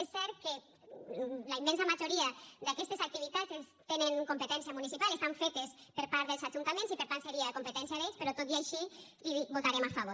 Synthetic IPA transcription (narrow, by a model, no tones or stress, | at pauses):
esːɛɾke | laimɛ̃nsamaʒoɾiad̪akɛst̪esak̚t̪iβ̞it̪at͡sest̪eneŋkompet̪ɛnsiamunisipalest̪aɱfet̪espəɾpaɾt̪ðelzaʒunt̪amẽnsipeɾt̪anseɾiakompet̪ɛnsiaðespeɾɔt̪ot̪iajʃi | iβot̪aɾemafaβoɾ